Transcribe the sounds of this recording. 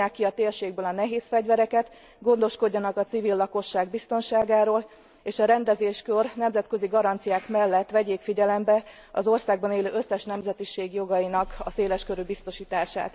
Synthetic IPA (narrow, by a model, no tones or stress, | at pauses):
aːkːiɒt̪eːrʃeːɡ̚bøːlɒnɛɦeːsfɛɟvɛɾɛkɛt̪ | ɡo̞nd̪o̞ʃko̞ɟːɒnɒkɒt̪sivilːɒko̞ʃːaːɡ̚bist̪o̞nʃaːɡaːɾoːl | eːʃɒɾɛnd̪ɛzeːʃkørnɛmzɛt̪kø̞ziɡɒɾɒnt̪sijaːkmɛlːɛt̪ːʋɛɟeːkfiɟɛlɛmbɛ | ɒ̰zo̞rsaːɡ̚bɒneːløːʔøsːɛʃnɛmzɛt̪iʃeːɡjo̞ɡɒjinɒkɒseːlɛʃkøɾybist̪o̞ʃiːt̪aːʃa̰ːt̪